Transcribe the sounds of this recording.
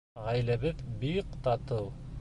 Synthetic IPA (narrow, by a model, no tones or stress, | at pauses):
ʁæjlæβɘðbiqt̪ɑt̪ɤw